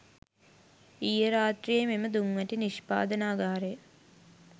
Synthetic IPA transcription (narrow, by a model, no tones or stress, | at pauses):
ijəɾaːt̪rijememəd̪uŋʋəʈiniʃpa̰ːd̪ənaːɡaːɾejə